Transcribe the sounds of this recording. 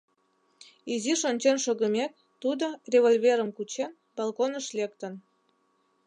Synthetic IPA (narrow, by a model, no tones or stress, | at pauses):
iziʃonʲt͡ɕenʃoɣə̆mek̚ | t̪ud̪orʲeβolʲvʲeɾəmkut͡ɕen | bɑlkonəʃlek̚t̪ən